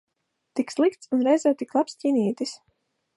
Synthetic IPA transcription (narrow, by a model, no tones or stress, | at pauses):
t̪ikslˠikt̪sunɾɛjzaːt̪iklˠapscʲinʲiːt̪is